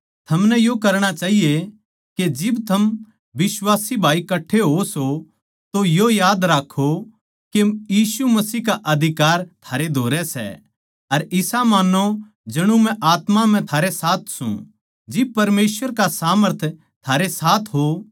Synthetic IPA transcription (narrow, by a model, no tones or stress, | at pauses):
t̪ʰɐmnɛjokɐɾɽ̃at͡ʃaːɦije | ked͡ʒɪbt̪ʰɐm | ʋɪswaːsibʱaːikɐʈʰːeɦoso | t̪ojojaːd̪ɾaːkʰːo | kejiːsumɐsiːkaʔɐd̪ʱɪkaːɾt̪ʰaːɾed̪ʱoːɾɛsɛ̰ | ɐɾɪsamaːno | d͡ʒɐɽ̃ũmɛ̃ʔaːt̪mam̤ɛ̃t̪ʰaːɾesaːt̪ʰsṵ̃ | d͡ʒɪb̚pɐɾmeːswəɾkasaːməɾt̪ʰ | t̪ʰaːɾesaːt̪ʰɦo